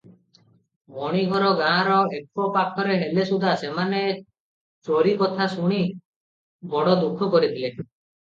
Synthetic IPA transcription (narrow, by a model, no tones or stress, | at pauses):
bɔɽ̃iɡʱɔɾɔɡãːɾɔekɔpakʰɔɾeɦelesud̪ʱasemane | t͡ʃoɾikɔt̪ʰasuɽ̃i | bɔɽɔd̪ukʰːɔkɔɾit̪ʰile